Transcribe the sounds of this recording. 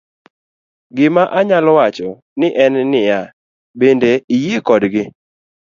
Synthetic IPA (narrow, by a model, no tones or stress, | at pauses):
ɡɪmaʔaɲalɔwat͡ʃɔ | nɪʔɛnːɪja | bendeijekɔdɡɪ